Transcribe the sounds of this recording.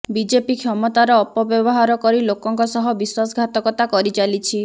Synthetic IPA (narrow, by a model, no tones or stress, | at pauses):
bid͡ʒepikʰjɔmɔt̪aɾɔːpɔbjɔbɔɦaɾɔkɔɾilokɔŋkɔsɔɦɔbiswasɡʱat̪ɔkɔt̪akɔɾit͡ʃalit͡ʃʰi